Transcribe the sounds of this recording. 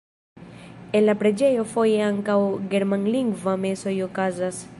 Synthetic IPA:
e̞nlapɾe̞d͡ʒe̞jo̞fo̞je̞aŋkawɡe̞ɾmanliŋɡvame̞so̞jo̞kazas

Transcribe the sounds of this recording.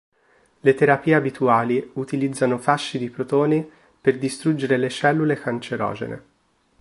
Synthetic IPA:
let̪eɾapiːeabit̪uaːliut̪ilid̪zːanofaʃːid̪ipɾot̪oːni | perd̪ist̪ɾud͡ʒːeɾelet͡ʃɛlːulekant͡ʃeɾɔ̰ːd͡ʒḛnḛ

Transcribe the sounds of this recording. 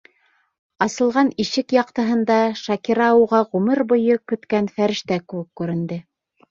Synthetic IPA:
ɑsɤ̆lˠʁɑniʃɘkjɑq̚t̪ɤ̆ɦɤ̆nd̪ɑʃɑkiɾɑuʁɑʁʉmɘɾbŏjɤkɵ̆t̪kænfæɾɘ̆ʃt̪ækɘ̆wɘkːʉɾɘ̆nd̪ɘ

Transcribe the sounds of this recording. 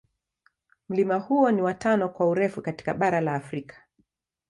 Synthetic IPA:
m̩limahuɔniwatanɔkwauɾɛfukati̥kaɓaɾalaːfɾikʰḁ

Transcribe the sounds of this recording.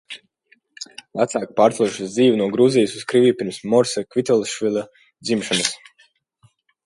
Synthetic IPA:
væt̪saːk̚paːɾt̪lˠuʃusd̪ziːvunuɔɡɾuzijsuskɾivipiɾmsmɔɾsakvit̪ɔlˠʃvilˠa | d̪zimʃɔnəs

